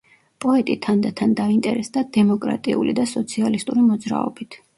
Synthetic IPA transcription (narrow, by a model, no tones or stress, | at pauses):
pʼɔɛt̪ʼit̪ʰand̪at̪ʰand̪aint̪ʼɛɾɛsd̪ad̪̥ɛmɔkʼɾa̰t̪ʼiṵlḭd̪asɔt̪sʰialist̪ʼuɾimɔd̪zɾa̰ɔ̰bit̪ʰ